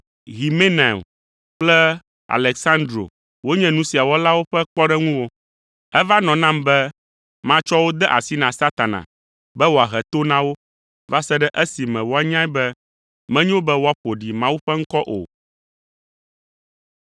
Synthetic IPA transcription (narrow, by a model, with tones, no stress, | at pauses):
ɣi˨me˦ne˨m | k͡plɛ˦ | a̰˨lɛ˨ksã˦nd̪ɾo̰˨ | wo˦ɲɛ̃˦nũ˦si˨a˨wɔ˦la˦wo˦ɸɛ˦k͡pɔ˦ɖɛ˦ŋũ˦wo˦ | ɛ˦va˦nɔ̃˨nã˦mbɛ˦ | mã˦t͡ʃɔ˦wo˦d̪ɛ˦ʔa̰˨si˦nã˨sa˦t̪a˨nã̰˨ | bɛ˦wo˨a˨ɦɛ˨t̪o˦nã˦wo˦ | va˦sɛ˦ɖɛ˦ʔɛ˦si˨mɛ̃˨wo˦a˦ɲã˦i˦bɛ˦ | mɛ̃˦ɲɛ̃˦wo˦bɛ˦wo˦a˦ɸo˨ɖi˨mã˦wu˦ɸɛ˦ŋ̩˦kɔ˦ʔo̰˨